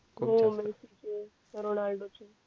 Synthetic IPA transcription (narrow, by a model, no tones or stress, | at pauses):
ɦõmɛɾsit͡ʃʰe | ɾonalɖot͡ʃʰe